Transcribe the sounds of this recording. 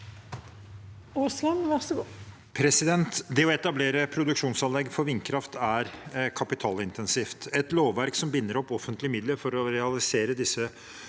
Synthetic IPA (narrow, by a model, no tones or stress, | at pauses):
oːsɑnʋæʂəɡuː | pʰɾɛsɪd̪ɛnt̪d̪ɛɔɛt̪ɑbleːɾəpʰɾʊd̪ʉkʂuːnsɑnlɛɡːfɔɾʋɪnkʰɾɑft̪æɾkʰɑpɪt̪ʰɑːlɪnt̪ɛnsiːft̪ɛt̪loːʋːæɾksɔmbɪnːəɾɔpːɔfːənt̪lɪəmɪd̪ləɾfɔɾɔɾɛɑlɪseːɾəd̪ɪsːə